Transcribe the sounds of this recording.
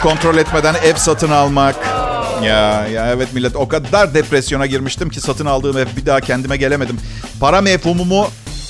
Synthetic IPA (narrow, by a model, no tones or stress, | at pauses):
kʰo̞nt̪ɾo̞lʲɛt̪me̞d̪ænɛvsat̪ʰɯnalˠmakjajaɛvɛt̪milʲːɛt̪o̞kad̪aɾd̪ɛpɾɛsjo̞naɟiɾmiʃt̪imcʰisat̪ʰɯnalˠd̪ɯːmɛvbid̪aɦcʰɛnd̪imɛɟe̞lʲeme̞d̪im | pʰaɾamefhumumu